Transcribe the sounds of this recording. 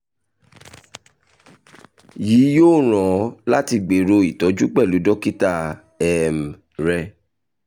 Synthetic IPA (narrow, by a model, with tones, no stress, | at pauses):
jiː˨˦joː˦˨ɾ̃ɔ̃˨˦la˦ti˧ɡ͡be˨˦ɾo˧i˨tɔ˨˦d͡ʒu˦k͡pɛ˦˨lu˨˦dɔ˦ki˦ta˧ | ɛ˨m˨ | ɾɛ˧